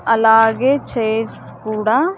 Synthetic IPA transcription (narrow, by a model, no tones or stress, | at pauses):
əlaːɡet͡ʃʰeːskuːɽaː